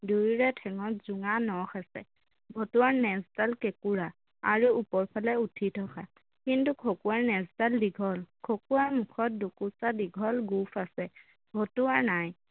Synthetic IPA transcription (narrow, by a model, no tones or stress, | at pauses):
dujɹɛtʰɛŋɔtz̥ʊŋanɔxasɛ̰ | bʱɔtuwaɹnɛztalkekuɹa | a̰ɹuːpɔɹpʰalɛutʰitʰɔkʰa | kintukʰokuwaɹnɛztaldiɡʱɔlkʰokuwaɹmʊkʰɔt̚dokusadiɡʱɔlɡupʰasɛ | bʱɔtuaɹnaj